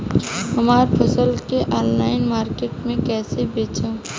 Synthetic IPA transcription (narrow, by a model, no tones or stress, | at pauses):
ɦɐmaːɾpʰɐsəlkeʔɔːnlaːɪnmaːɾkeːʈmẽkɛːsebeːt͡ʃãː